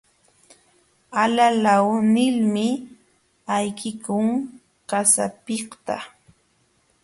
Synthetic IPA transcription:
alalawnɪlmɪ | ajkɪkʊŋ | kasapɪkt̪a̰

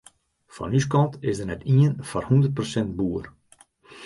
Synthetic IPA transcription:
fɔ̰nyskɔntɪsdərnɛtʰiənfarhundərt̚prosɛnt̚buːər

